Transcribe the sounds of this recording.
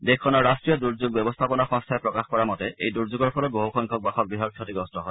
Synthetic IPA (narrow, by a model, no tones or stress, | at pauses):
dekʰːɔnɔɹɹastɹijɔduɹzuɡbɛbɔst̪ʰapɔnɔxɔ̃ŋstʰaɛpɹɔkaxkɔɹamɔtɛejduɹzuɡɔɹpʰɔlɔɡoɦoxɔŋkʰɔk̚baxɔk̚biɦɔkʰːotiɡɔstɔɦɔ